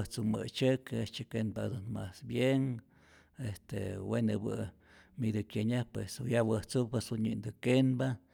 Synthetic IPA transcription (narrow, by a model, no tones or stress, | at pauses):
ht͡sumə̰t͡ʃɨket͡ʃekenpad̪unmasbjeŋ | est̪ḛwenɨbɨ | mid̪ɨkʲjeɲahpwesujawəht͡supesuɲɨnd̪ɨkenba